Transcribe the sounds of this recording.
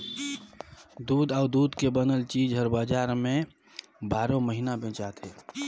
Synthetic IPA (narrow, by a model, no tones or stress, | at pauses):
d̪uːd̪aːʊd̪uːd̪kebənəlt͡ʃiːd͡ʒɦəɾbaːd͡ʒaːɾmẽ | baːɾõməɦinabɛ̃ːt͡ʃaːt̪ɦɛː